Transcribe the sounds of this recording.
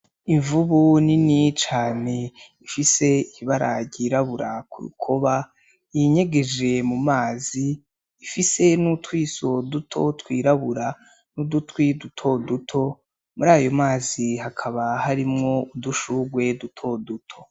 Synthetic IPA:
iɱvuβuninit͡ʃaːne̞ | ifise̞iβaɾa̰ɟɟiːɾaβuɾakuɾṵkʰoβa | jiɲe̞ɡe̞d͡ʒe̞mumaːziː | fise̞nutwiːso̞dutʰo̞twiːɾaβuɾa | nudutwidutʰo̞dutʰo̞ | muɾaːjo̞maːzihakʰaβahaɾimŋo̞uduʃuɡwe̞dutʰo̞dutʰo̞̥

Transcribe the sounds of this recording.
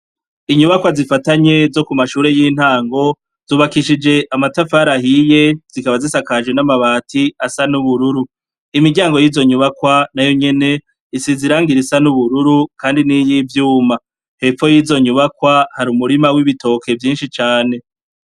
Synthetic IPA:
iɲuβakwazifataɲe̞zo̞kumaʃuːɾe̞jin̥haːŋɡo̞ | z̥uːβakiʃid͡ʒe̞ʔamatafaɾahije̞z̥ikaβazisakaʒwenamaβaːtʰiasanuβuɾuɾu | imiɡɟaːŋɡo̞jiːzo̞ɲuβakwanajo̞ɲe̞ne̞ | isiziɾaːŋɡiɾisanuβuɾuɾukʰaːndinijivjuːma | he̞fo̞jiːzo̞ɲuβakwahaɾumuɾimawiβito̞ːkʰe̞vjiːnʃit͡ʃaːne̞

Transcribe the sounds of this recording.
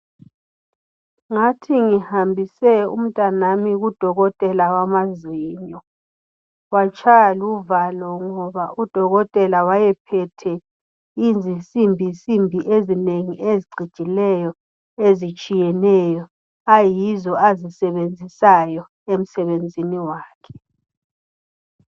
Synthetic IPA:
ŋatʰiŋihambʱisɛṵm̩tʼanamiɣud̥ʱɔɣɔtʼɛlawamaziːɲɔ | wat͡ʃʰʼajaluvalɔŋɔβaud̥ʱɔɣɔtʼɛlawajɛpʰɛtʰɛ | ind͡zʱisimbʱisimbʱiʔezineŋiʔeziɡ͡ǀʱid̥ʒ̥ʱilɛjɔ | ezit͡ʃʼijɛnɛːjɔ | ajizɔazisɛβend͡zʱisajɔ | em̩sɛβend͡zʱiniwaːkʰɛ̥

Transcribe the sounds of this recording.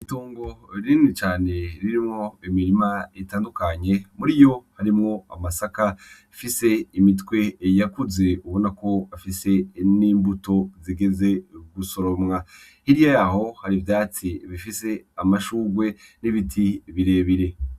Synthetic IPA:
ituːŋɡo̞ɾinit͡ʃaːne̞ɾiɾimŋo̞imiɾimaitaːndukaɲe̞muɾijo̞haɾimŋo̞a̰masaka | fise̞imitkwe̞jakuze̞uβo̞nako̞afise̞niːmbuto̞ziɡe̞ze̞ɡuso̞ɾo̞mŋa | hiɾijajaɦo̞haɾivjaːt͡siβifise̞amaʃuːɡwe̞niβitʰiβiɾe̞ːβiɾe̞

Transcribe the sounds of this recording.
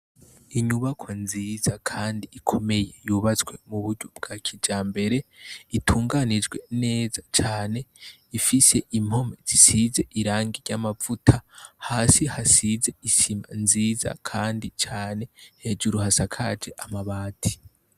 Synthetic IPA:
iɲuβakʰwanziːzakʰaːndiikʰo̞me̞jejuːβat͡sɡwe̞muβuɾɟob̚ɡ̥aːkʰid͡ʒaːmbe̞ɾe̞itʰuːŋɡanid͡ʒɡwe̞ne̞ːzat͡ʃaːne̞ | ifise̞ʔim̥ho̞mez̥isize̞ʔiɾaːŋɡiɾɟaːmavutʰahaːsihasize̞isima̰nziːza̰kʰaːndit͡ʃaːne̞he̞d͡ʒuɾuhasakʰad͡ʒe̞ʔamaβaːtʰi̥

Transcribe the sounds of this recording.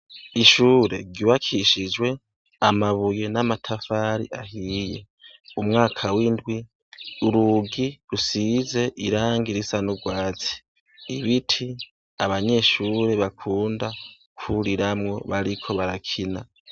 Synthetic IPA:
iʃuːɾe̞̰ɟuβakʰiʃid͡ʒwe̞ | amaβuje̞namatʰafaɾḭʔahiːje | umŋaːkʰawindɡwi | uɾuɡiɾusize̞ʔiɾaːŋɡiɾisanuɡwaːt͡si̥ | iβitʰi | aβaɲe̞ʃuːɾe̞βakʰuːnda | kʰuɾiɾamŋo̞̰βaɾikʰo̞βaɾakʰina

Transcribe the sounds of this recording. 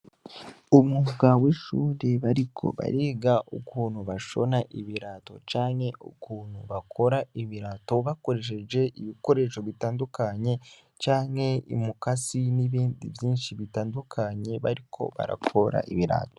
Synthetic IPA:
omuɡaweʃuːɾe̞βaɾikʰo̞̰βa̰ɾeːɡaʔṵkuːnhuβaʃo̞̰naʔiβiɾaːto̞̰t͡ʃaːŋhe̞ʔo̰kuːn̥huβakʰo̞ɾaiβiɾaːto̞βako̞ɾe̞ʃ̬e̞d͡ʒe̞ʔiβiko̞ɾe̞ʃo̞βitaːndukaɲe̞ | t͡ʃaːŋhe̞ḭmukasiniβiːndivjiːnʃiβitaːndukʰaɲe̞βaɾikʰo̞̰βa̰ɾa̰kʰo̞ɾa̰ʔiβiɾa̰ːto

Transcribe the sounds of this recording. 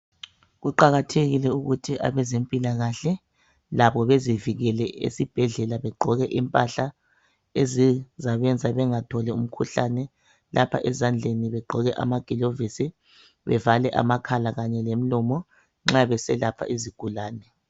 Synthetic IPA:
ɣuǃaɣatʰeɣilɛuɣutʰiʔa̰βɛzempʼilaɣaɬɛ | laβɔβeziviɣɛlɛʔḛsib̥ʱɛɮɛlaβɛɡ͡ǃʱɔɣɛʔimpʼaɬa | ezizaβɛnd͡zʱaβɛŋatʰɔlɛṵm̩kʰuɬanɛ | lʔapʰa̰ʔɛzand͡ɮʱeniβɛɡ͡ǃʱɔɣɛʔa̰maɡ̥ʱilovisi | βɛ̰valɛʔa̰makʰalaɣaɲɛlem̩lɔmɔ | ŋ͡ǁaβɛsɛlapʰa̰ʔiziɡ̥ʱulaːnɛ

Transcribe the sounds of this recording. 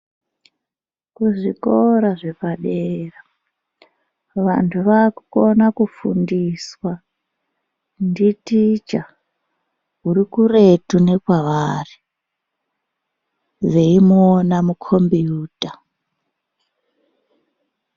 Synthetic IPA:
kuʐiko̞ɾaʐe̞paɗera | ʋantʰuʋakuko̞nakufṵndiswa | nditit͡ʃa | ɦuɾikure̞tune̞kwaʋaːri | ʋeimːnamukʰo̞mbiuːta

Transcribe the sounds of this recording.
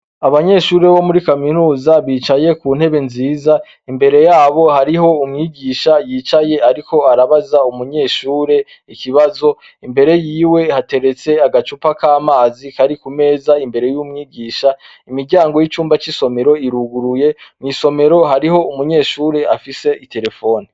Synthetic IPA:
aβaɲe̞ːʃuːɾe̞βo̞muɾikaminuːzaβiːt͡ʃaje̞kuːn̥he̞βe̞nziːza | imbe̞ɾe̞jaːβo̞haɾiɦo̞umŋiːɡiːʃajiːt͡ʃaje̞aɾiko̞aɾaβazaumuɲe̞ːʃuːɾe̞ | ikiβazo̞ | imbe̞ɾe̞jiːwe̞hate̞ɾe̞t͡se̞aɡat͡ʃupakaːmaːzikaɾikume̞ːzaimbe̞ɾe̞juːmŋiːɡiːʃa | imiɾɟaːŋɡo̞jit͡ʃuːmbat͡ʃiso̞me̞ɾo̞iɾuɡuɾuje̞mŋiːso̞me̞ɾo̞ɦaɾiho̞umuɲe̞ːʃuːɾe̞ʔafise̞ʔite̞ɾe̞fo̞ːni

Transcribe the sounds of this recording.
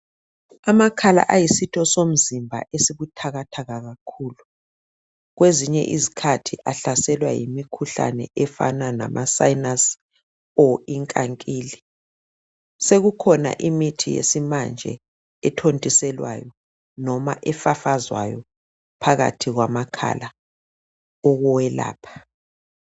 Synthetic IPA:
amakʰala̰ʔajisitʼɔsom̩zimbʱa̰ʔesiβutʰaɣatʰaɣaɣakʰuːlu | ɣweziɲɛ̰ʔizikʰatʰiʔaɬasɛlwa̰jḭmikʰuɬa̰nɛ̰ʔɛfa̰nana̰mʔasajnas | ɔiŋkʼaŋkʼiːli | seɣukʰɔna̰ʔimitʰijḛsimand͡ʒʱɛ̰ | ɛtʰontʼisɛlwa̰jɔ | nɔmaʔɛfafazwa̰jɔ | pʰaɣa̰tʰiɣwamakʰa̰la | ɔɣɔwɛla̰ːpʰḁ

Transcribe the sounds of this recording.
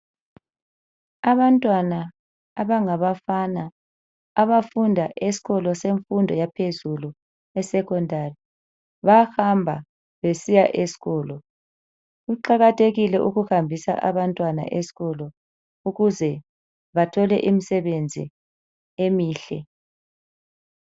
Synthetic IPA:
aβantʼwanaː | βaŋaβafanaː | βafundʱaʔesi̥ɣɔlɔseɱfundʱɔjapʰezulu | ɛsɛkʰʼɔndʱari | βaxambʱa | βesijaʔesi̥ɣɔːlɔ | ɣuǃaɣatʰeɣilɛʔuɣuhambʱisa̰ʔaβantʼwana̰ʔesi̥ɣɔlɔ | uɣuzɛ | βatʰɔlɛ̰ʔimisɛβend͡zʱḭ | emiːɬɛ

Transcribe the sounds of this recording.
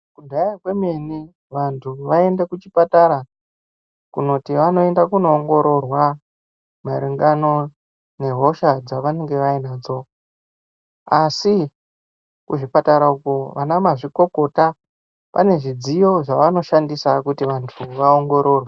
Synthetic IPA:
kudʱajakwe̞me̞ni | ʋantʰuʋae̞ndekut͡ʃipataɾa | kuno̞tiʋano̞e̞ndakuno̞ːŋɡo̞ɾo̞rwa | maɾiŋɡano̞ | ne̞ɦo̞ʃad͡zaʋaneŋɡe̞ʋainad͡zo̞ | asi | kuʐipataɾaukoʋanamaʐiko̞ko̞ta | pane̞ʐid͡zijo̞ʐaʋano̞ʃandisakutiʋantʰuʋaoŋɡo̞ɾo̞ːrwe

